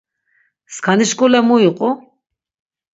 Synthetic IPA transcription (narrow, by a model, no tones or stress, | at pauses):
skʰaniʃkʼulɛmuiqʼɔ